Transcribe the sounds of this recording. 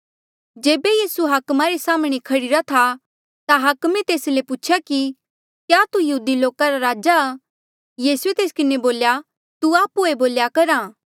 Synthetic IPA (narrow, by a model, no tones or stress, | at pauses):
d͡ʒeːbejiːsuɦaːkmaɾesaːmɽ̃ekʰɐɽɪɾat̪ʰa | t̪aɦaːkmẽt̪eːslepuːt͡ʃʰjaki | kjat̪ujɐɦuːd̪iloːkaɾaɾaːd͡ʒa | jiːsuet̪eːskɪneboːlja | t̪uaːpueboːljakɐɾaː